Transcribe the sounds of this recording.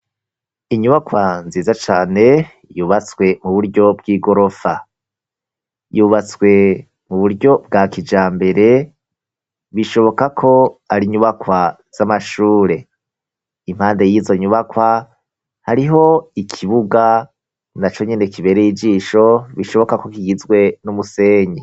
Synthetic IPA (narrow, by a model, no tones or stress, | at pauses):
iɲuβakwanziːzat͡ʃaːne̞ | juːβat͡swe̞muβuɾɟo̞bɡiːɡo̞ɾo̞fa | juːβat͡swe̞ | muβuɾɟo̞b̚ɡakid͡ʒaːmbe̞ɾe̞ | βiʃo̞βo̞kakʰo̞aɾiɲuβakwa | z̥amaʃuːɾe̞ | im̥haːnde̞jiːzo̞ɲuβakwa | haɾiɦo̞ikʰiβuɡa | nat͡ʃo̞ɲene̞kiβe̞ɾejid͡ʒiːʃo̞βiʃo̞βo̞kako̞kiɡizɡwe̞numuse̞ːɲe